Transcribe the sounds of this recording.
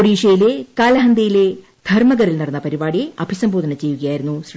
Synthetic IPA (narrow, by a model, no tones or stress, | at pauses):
oɽiːʂɐjilekaːlɐɦɐnd̪ɐjile̞ | d̪̥ʱɐrmɐɣɐɾilnɐɽɐnːɐpɐɾibaːɽiɐbʱisɐmboːd̪ɐnɐt͡ɕe̞juɣɐjaːjiɾunːusr